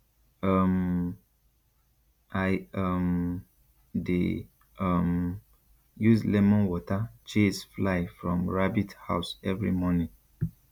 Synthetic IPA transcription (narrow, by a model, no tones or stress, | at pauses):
am | ʔaɪʌm | de | ʌm | juzlɛmɔ̃nwɔtat͡ʃesflaɪfɹɔ̃mɹabitha̰ʊsɛvɹḭmɔnĩŋ